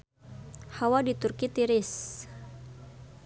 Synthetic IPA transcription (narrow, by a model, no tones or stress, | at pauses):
hawadit̪urkit̪iɾɪs